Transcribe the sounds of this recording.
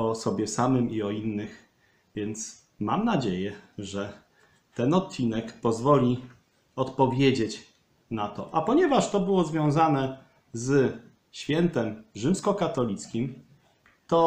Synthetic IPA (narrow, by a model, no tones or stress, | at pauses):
ɔsɔbʲjɛsamɘmiɔinːɘx | vʲjɛnt̪s | mamnad͡ʑejɛʐɛ | t̪ɛnɔt̪̚t͡ɕinɛkpɔzvɔlʲi | ɔt̪pɔvʲjed͡ʑet͡ɕ | nat̪ɔ̰ʔapɔɲɛvaʂt̪ɔbɘwɔzvʲjɔ̃w̃zanɛ | z | ɕfʲjɛnt̪ɛmʐɘmskɔkat̪ɔlʲit̪skʲim | t̪ɔ